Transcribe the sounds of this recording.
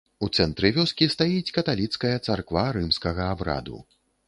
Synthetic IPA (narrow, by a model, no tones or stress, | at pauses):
ut̪sɛnt̪ɾɨvʲɔskʲist̪ajit͡sʲkɐt̪alʲit̪skɐjɐt̪sarkvaɾɨmskɐɣɐabɾa̰d̪ṵ